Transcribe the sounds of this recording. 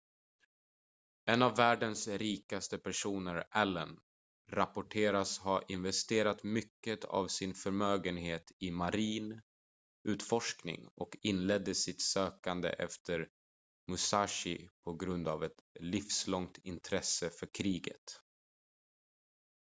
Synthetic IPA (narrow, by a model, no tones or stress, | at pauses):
ɛnavːæːɖənsɾiːkast̪əpʰæʂuːnəɾʔɛlːən | ɾapʊʈʰeːɾashaɾʔɪnvɛst̪eːɾat̪mʏkːət̪ʰa̰vsɪnfœɾmøːɡənɦeːt̪ʰɪmaɾiːn | ʉ̟ːt̪fɔʂknɪ̰ŋɔkɪnlɛd̪ːəsɪt̪søːkand̪ə̰ʔɛ̰ft̪ʰəɾ | mʊsaʂɪpʰɔɡɾɵnd̪avɛt̪lɪfslɔŋt̪ɪnt̪ʰɾɛsːəfœɾkʰɾiːɡə̰t̪